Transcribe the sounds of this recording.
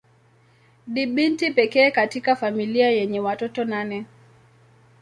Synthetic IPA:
ɗiɓintipɛkɛːkatikafamiliajɛɲɛwatɔtɔnanɛ

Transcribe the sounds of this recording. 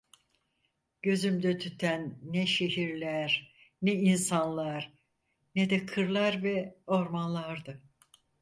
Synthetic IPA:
ɟ̥ø̞zymd̪ɛt̪ʰyt̪ʰænːɛʃeɦiɾlʲæɾ | nɛinsanlˠaɾ̥ | nɛd̪ɛkʰɯɾlˠaɾvɛo̞ɾmanlˠaɾd̪ɯ

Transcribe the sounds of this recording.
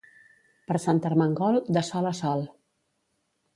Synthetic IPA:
pəɾsant̪əɾməŋɡɔlˠd̪əsɔləsɔlˠ

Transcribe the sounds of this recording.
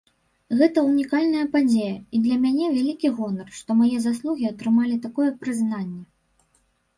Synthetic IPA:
ɣɛt̪ɐunʲikalʲnɐjɐpad͡zʲejɐid̪lʲɐmʲanʲɛvʲalʲikʲiɣɔnɐrʂt̪ɔmajɛzas̬lˠuɣʲiat̪ɾɨmalʲit̪akɔjɛpɾɨznanʲːɛ

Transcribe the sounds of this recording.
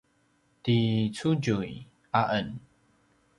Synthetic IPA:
tit͡sud͡ʒuj | ʔaʔən

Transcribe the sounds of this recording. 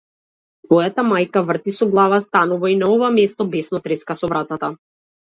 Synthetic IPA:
t̪vɔjat̪amajkavr̩t̪isɔɡlˠavast̪anuvainaɔvamɛst̪ɔbɛsnɔt̪ɾɛskasɔvɾat̪at̪a

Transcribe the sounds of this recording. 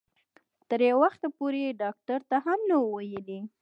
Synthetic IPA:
t̪əɾjawaxt̪apoɾeɖɑk̚ʈaɾt̪aɦamnawajəli

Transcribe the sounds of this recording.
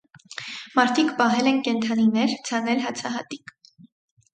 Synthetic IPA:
mɑɾt̪ʰikpɑɦɛlɛnkɛnt̪ʰɑninɛɾt͡sʰɑnɛlɦɑt͡sʰɑɦɑt̪ik

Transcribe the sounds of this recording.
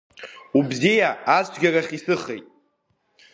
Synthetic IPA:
ubzijaːt͡sʰɡʲaraχʲisɨχejtʼ

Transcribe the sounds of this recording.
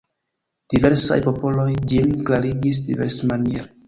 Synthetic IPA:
d̥ive̞ɾsa̰jpo̞po̞lo̞jd͡ʒimklaɾiɡis̬diveɾsmanijeɾ

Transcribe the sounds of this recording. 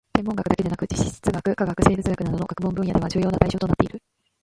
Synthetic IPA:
se̞mːõŋɡakɯ̟d̪ake̞d̪anakɯ̟d͡ʑiɕi̥ɕi̥t͡sɨɡakɯ̟kaɡakɯ̟se̞ːbɯ̟t͡sɨɡakɯ̟nad̪o̞noɡ̥ḁkɯ̟bõ̞mbɯ̃ja̰de̞ad͡ʑɨːjo̞ːnat̪aiɕo̞ːt̪oat̪e̞iɾɯ̟

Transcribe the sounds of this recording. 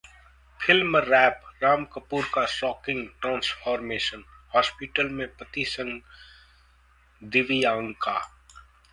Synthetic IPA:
pʰɪlməɾɛːpɾaːmkəpuːɾkasɔːkɪ̃ŋɡʈɾãːnsfʰɔːɾmeːʃən | hɔːspɪʈəlmẽpət̪isə̃ŋɡ | d̪ɪʋijãːŋkaː

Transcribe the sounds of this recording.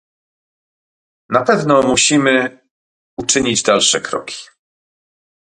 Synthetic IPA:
napɛvnɔmuɕimɘ | ut͡ʂɘɲid͡ʑd̪alʂɛkɾɔ̰kʲi̥

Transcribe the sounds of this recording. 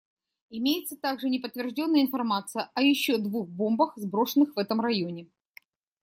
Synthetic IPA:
ɪmʲejɪt̪sət̪aɡʐɨnʲɪpət̪vʲɪrʐdʲo̞nːəjəɪnfɐrmat̪sɨjəʔɐjɪɕːod̪vuxbo̞mbəxzbɾo̞ʂɨnːɨxvɛt̪əmrɐjo̞nʲɪ

